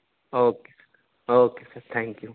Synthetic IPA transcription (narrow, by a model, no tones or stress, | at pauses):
oːke̥sɐɾ | oːkesɐɾt̪ʰɛ̃ŋkju